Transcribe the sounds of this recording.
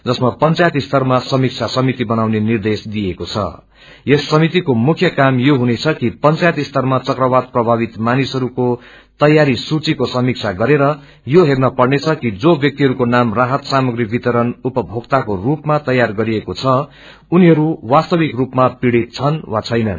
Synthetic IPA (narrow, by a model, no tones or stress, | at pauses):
d͡zʌsmapʌnt͡sajt̪ist̪ʰʌrmasʌmik̚t͡sʰasʌmit̪ibʌnawnenird̪esd̪ijekot͡sʰʌ̰ | jesːʌmit̪ikomukʰjʌkamjoɦunet͡sʰʌkipʌnt͡sajʌt̪ist̪ʰʌrmat͡sʌkrʌbad̪̚prʌbʱabit̪manisʌɾuko | t̪ʌjaɾisut͡sikosʌmik̚t͡sʰaɡʌɾeɾʌ | joɦernʌpʌrnet͡sʰʌkid͡zobjʌk̚t̪iɦʌɾukonamraɦʌt̪samʌɡribit̪ʌɾʌnupʌbʱoɡt̪akorupmat̪ʌjarɡʌɾiekot͡sʰʌ | uniɦʌɾuwast̪ʌbikrupmapiɽit̪̚t͡sʰʌnwat͡sʰʌjnʌ̰n